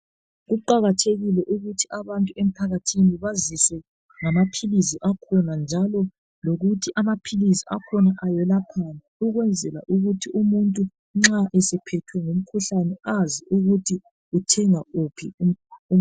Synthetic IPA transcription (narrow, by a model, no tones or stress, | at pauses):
ɣuǃaɣatʰeɣilɛʔuɣutʰiʔaβantʼuem̩pʰaɣatʰiniβaziswɛ | ŋamapʰiliziʔakʰɔnand͡ʒʱalɔ | loɣutʰiʔamapʰiliziakʰɔnaʔajɛlapʰanɛuɣwɛnd͡zʱɛla̰ʔuɣutʰiʔumuntʼu | ŋ͡ǁaʔɛsɛpʰɛtʰwɛŋom̩kʰuɬanɛaziʔuɣutʰi | utʰɛŋaupʰiuu